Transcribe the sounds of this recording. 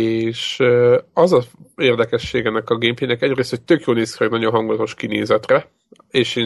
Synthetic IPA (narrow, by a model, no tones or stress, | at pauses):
eːʃ | ɒzɒeːrd̪ɛkɛʃːeːɡɛnːɛkɒɡeːmpeːnɛkɛɟreːst̪ho̞c̚t̪økjoːlneːskrɛɡnɒɟo̞nɦɒŋɡulɒt̪o̞ʃkinḛːzɛt̪rɛ | eːʃeː